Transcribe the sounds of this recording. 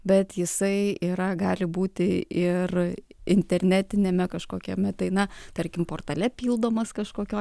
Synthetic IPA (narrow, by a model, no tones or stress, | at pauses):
bʲɛt̪jɪsɐɪiːɾɐɡɑːlʲɪbuːt̪ʲɪɪrɪnʲt̪ʲɛɾʲnʲæːt̪ʲɪnʲeːmʲɛkɐʃkoːkʲɛmʲɛt̪ɐɪnɐt̪ɐɾʲkʲɪmpoːrt̪ɐlʲɛpʲiːlˠd̪oːmɐskɐʃkoːkʲoː